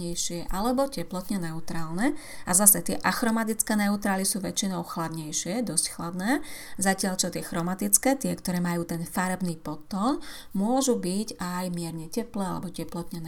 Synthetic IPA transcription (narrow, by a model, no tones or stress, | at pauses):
ɛjʃɪɛʔalɛbɔcɛplɔt̪ɲɛnɛut̪ɾaːlnɛazasɛt̪ɪɛʔaxɾɔmat̪it͡skɛːnɛut̪ɾaːlisuːʋɛt͡ʃinɔʊxlad̪ɲɛjʃɪɛd̪ɔscxlad̪nɛːzacɪaʎt͡ʃɔt̪ɪɛxɾɔmat̪it͡skɛːt̪ɪɛkt̪ɔɾɛːmajuːt̪ɛnfaɾɛbniːpɔt̪ːɔːn | mʊɔʒubiɟajmɪɛɾɲɛcɛplɛːa̰lɛ̰bɔcɛplɔt̪ɲɛn